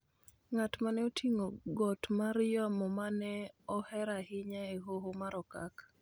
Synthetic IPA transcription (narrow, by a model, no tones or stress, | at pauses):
ŋatmanɛotʰiŋoɡɔtmaɾjamɔmanɛɔhɛɾahɪɲaeɦoɦomaɾɔka̰k